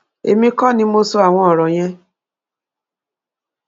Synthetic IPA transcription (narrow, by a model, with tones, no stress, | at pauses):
ḛ˨mĩ˦kɔ˦˨nĩ˧mo˦so˧a˨w̃ʷɔ̃˦ɔ˨ɾɔ˨j̃ɛ̃˦